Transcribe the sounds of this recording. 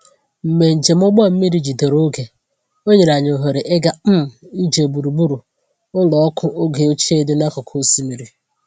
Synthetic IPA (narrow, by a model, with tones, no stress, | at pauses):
m̩˨me˨n̩˨d͡ʒe˨m̩˦ʊ˦ɡ͡bɔ˦m̩˦mi˦ɾi˦d͡ʒi˨de˨ɾo˦ɡe˨ | o˦ɲe˨na˨ɲ˨o˨ɦo˨ɾe˨ʔɪ˦ɡa˨m̩˦m̩˨i˦d͡ʒe˨bu˨ɾu˨bu˦ɾu˨ | ʊ˦lɔ˨ɔ˦kʰʊ˦ʔo˦ɡe˨o˦t͡ʃe˦de˦ne˦kʊ˨kʰo˦si˦mi˨ɾi˨